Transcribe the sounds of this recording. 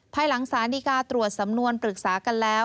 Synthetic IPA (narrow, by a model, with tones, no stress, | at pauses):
pʰaː˧jla˩˦ŋsaː˩˦niː˧kaː˧t̪ɾu˨˩ət̪̚sa˩˦mnu˧ənpɾɯ˨˩k̚saː˩˦ka˧nlɛː˦˥w